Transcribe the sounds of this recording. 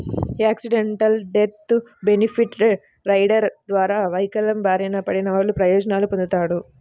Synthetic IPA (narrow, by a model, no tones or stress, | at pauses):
aːksiɖeɳʈɐlɖet̪benipʰiʈ | ɾɐjɖɐɾd̪ʋaːɾaːʋɐjkɐlɐmbaːɾinɐpɐɽinɐʋaːɭːupɾɐjɔːd͡ʒɐnaːlupond̪ut̪aːɽu